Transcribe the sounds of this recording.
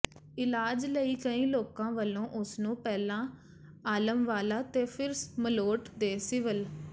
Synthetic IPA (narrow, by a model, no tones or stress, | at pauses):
ɪlaːd͡ʒləiːkəĩːloːkãːʋəlõːʔʊsnũːpɛːlãː | aːləmʋaːlaːt̪eːpʰɪɾsməloːʈd̪eːsɪʋəl